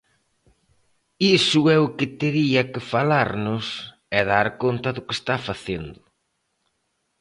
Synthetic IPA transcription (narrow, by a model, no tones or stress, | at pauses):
isʊɛʊkɪt̪eɾiɐkɪfalaɾnʊs | ɛðaɾkont̪ɐðʊkɪest̪afaθend̪ʊ